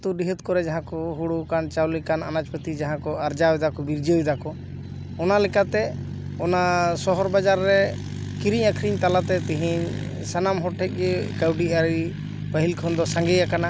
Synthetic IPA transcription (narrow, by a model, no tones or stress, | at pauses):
t̪uɖiɦət̪̚kɔɾɛd͡ʒaɦãkɔɦuɽukant͡ʃawlikananad͡ʒpət̪id͡ʒaɦãkɔaɾd͡ʒawɛd̪akɔbiɾd͡ʒəwid̪akɔ | ɔnalɛkat̪ɛ | ɔnasɔɦɔɾbad͡ʒaɾːɛ | kiɾiɲakʰɾiɲt̪alat̪ɛt̪iɦiɲ | sanamɦɔʈʰɛc̚ˀɡɛkəwɖiaɾi | pəɦilkʰɔnd̪ɔsaŋɡɛjakana